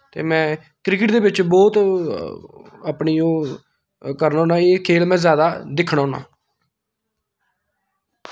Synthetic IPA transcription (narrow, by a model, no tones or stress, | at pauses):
t̪ḛːmɛ̃ː | kɾɪkəʈd̪eːbɪt͡ʃbɔːt̪ | aːpɳiːoː | kəɾnaːoːnãːeːkʰeːlmɛ̃ːzjaːd̪aːd̪ɪkʰɳaːɦoːnã̰ː